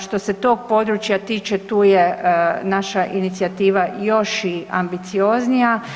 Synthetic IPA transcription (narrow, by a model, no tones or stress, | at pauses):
ʃt̪o̞se̞t̪o̞ːɡ̚po̞ːd̪ɾut͡ʃjat̪iːt͡ʃet̪uːjenaʃaʔinit̪siat̪iːʋajo̞ʃiambit̪sio̞ːznija